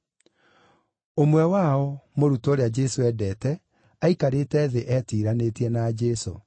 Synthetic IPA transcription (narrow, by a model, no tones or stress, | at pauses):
omwɛwaɔmoɾutoːɾead͡ʑɛsoɛdɛːtɛ | aikaɾetɛðeʔɛːtiːɾanetiɛnaːd͡ʒɛso̰